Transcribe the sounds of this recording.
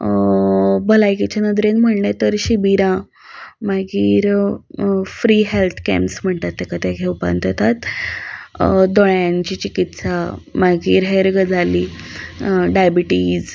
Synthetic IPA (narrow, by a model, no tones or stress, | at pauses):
bəlajkit͡ɕanəd̪ɾẽnm̤əɽɳat̪əɾɕibiɾã | maɡiːɾ | fɾiɦelt̪ʰkɛ̰mpsm̤əɳt̪at̪ːekat̪ɛkʰewpa̰nt̪ɔt̪at̪ | d̪oɭjãnt͡ɕit͡ɕikit̪samaɡiːɾɦeɾɡəd͡zʱali | ɖajbiʈid͡z